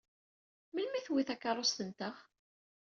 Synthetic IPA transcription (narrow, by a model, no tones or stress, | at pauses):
məlmiθwiθækːɑɾˤost̪ənt̪əʁ